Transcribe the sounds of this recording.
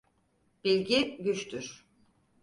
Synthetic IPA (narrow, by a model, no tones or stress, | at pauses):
b̥ilʲɟiɟyt͡ʃt̪ʰyɾ̥